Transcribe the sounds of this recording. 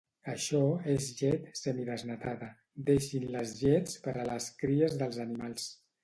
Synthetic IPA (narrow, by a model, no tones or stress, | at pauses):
əʃɔezʒɛt̪səmiðəznat̪aðə | d̪eʃinləzʒɛt͡spəɾələskɾiəzðəlˠzənimalˠs